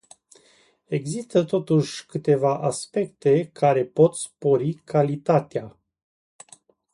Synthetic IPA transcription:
e̞ɡzist̪ət̪o̞t̪uʃʲkɨt̪e̞vaʔaspe̞kt̪e̞kʰaɾe̞po̞t̪spo̞ɾikʰalit̪at̪ea

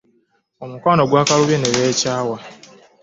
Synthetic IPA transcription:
omukwaːno̞ɡwaːkaluβeneβeːcaːwa

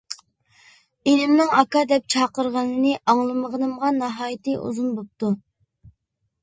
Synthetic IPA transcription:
enɪmnɨŋɑkɑd̪ɛp̚t͡ʃʰɑqəɾʁɑnɨnɨʔɑŋlˠɨməʁənɨmʁɑnːɑɦɑːjit̪ʰɨʔṵzunbop̚t̪u

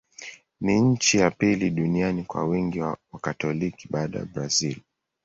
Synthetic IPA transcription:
niɲ̩t͡ʃijapiliɗunianikwa̰wiŋɡiwawakatɔliki̥ɓaːɗa̰ja̰bɾazil

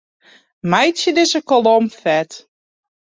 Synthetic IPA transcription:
majsjədɪsəkolomfɛt

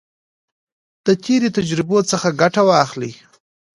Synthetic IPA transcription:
d̪̥ət̪eɾet̪ad͡ʒɾɪbot͡səxaɡaʈawɑxli

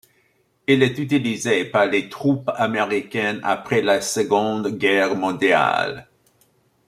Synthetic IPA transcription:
ilɛt̪yt̪̬ilizepaʁlet̪χupameʁikɛna̰pχɛlasəɡɔ̃d̪ɡɛʁmɔ̃d̪ja̰l

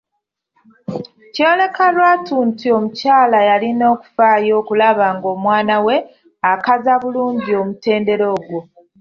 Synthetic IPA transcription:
cole̞kalwaːtuːntio̞mucaːlajalino̞ːku̥faːjo̞ːkulaβaːŋɡo̞ːmwaːnawe̞ | akazaβuluːɲɟio̞mute̞ːnde̞ɾo̞ːɡwo̞

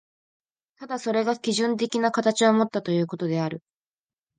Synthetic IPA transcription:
t̪ad̪aso̞ɾe̞ɡakʲiʑɨ̃nt̪e̞kʲinakat̪at͡ɕiomo̞t̪ːat̪o̞jɯ̟ːko̞t̪o̞d̪e̞aɾɯ̟

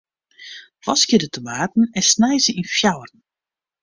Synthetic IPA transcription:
ʋɔskɪdətəmaːtn̩ɛnsnɛjzəinfjawərn̩

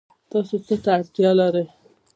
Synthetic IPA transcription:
t̪ɑsot͡sət̪aːɽt̪jɑlaɾəj

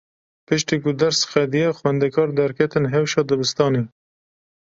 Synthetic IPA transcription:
pɨʃt̪iːkʊd̪ɛɾsxɛd̪ijɛxwɛnd̪ɛkʰɑːɾd̪ɛɾkʰɛt̪ɨnɦɛwʃɑːd̪ɨbɨst̪ɑːneː

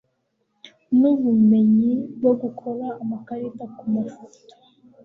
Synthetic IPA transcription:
nuβume̞ɲibɡoɡukʰo̞ɾaːmakaɾitakumasu

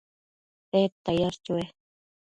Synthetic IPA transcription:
et̪ajaɾt͡ʃue

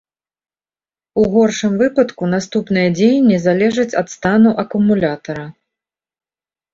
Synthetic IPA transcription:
uɣɔrʂɨmvɨpɐt̪kun̪ast̪upn̪ɨjɐd͡zʲejnʲːizalʲɛʐɐt͡sʲɐ̰t̪st̪anuʔɐkumulʲat̪ɐɾɐ

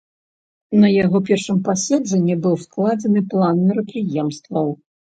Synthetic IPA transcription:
nɐjaɣɔpʲɛrʂɨmpasʲɛd͡ʐɛnʲːibɨwsklˠad͡zʲɛnɨplˠanmʲɛɾɐpɾɨjɛmst̪vɐw

